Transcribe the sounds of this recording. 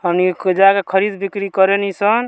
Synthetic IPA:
ɦəmniked͡ʒakekʰəɾid̪bikɾikəɾenisən

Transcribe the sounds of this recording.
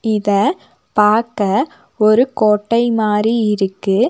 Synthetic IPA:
ɪðɐ | paːɾkɐ | ɔɾɯkoːʈːɐɪmaːɾiɪɾɯkːɯ

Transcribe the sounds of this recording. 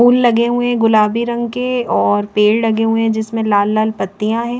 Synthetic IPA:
uːlːɐɡeɦʊẽɡʊlaːbiɾɐ̃ŋɡkeɔːɾpeːɽlɐɡeɦuẽd͡ʒɪsmẽlaːlːaːlpɐt̪ːijãɦɛ̃ː

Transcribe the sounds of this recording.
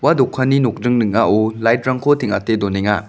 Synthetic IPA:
wadɔkʰaninok̚dɯŋnɯŋaulajtɾaŋkʰotʰiŋa̰tedoneŋa̰

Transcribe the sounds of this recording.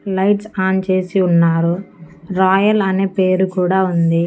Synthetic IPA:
lɐjʈsaːnt͡ʃe̞ːsiunːaːɾuɾaːjɐlɐneːpe̞ːɾukuːɽaːund̪i

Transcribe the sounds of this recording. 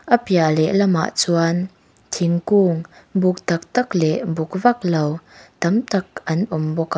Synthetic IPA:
ʔəpjalɛlɐma̰ːʔt͡suan | t̪ʰiŋkuːŋbʊk̚t̪ɐk̚t̪ɐk̚lɛʔbʊk̚vɐk̚lowt̪ɐmt̪ɐk̚ʔɐnʔʊmbɔk

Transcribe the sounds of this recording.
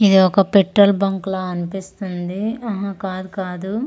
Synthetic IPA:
id̪iɔkɐpeʈɾɐlbɐŋkloːɐnipist̪und̪iɐɦɐ̃kaːd̪ukaːd̪u

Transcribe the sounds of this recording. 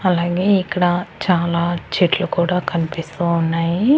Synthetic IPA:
ɐlaːɡe̞ːikːɐɽɐt͡ʃaːlaːt͡ʃeʈlukuːɽaːkɐnipist̪uːnːaːji

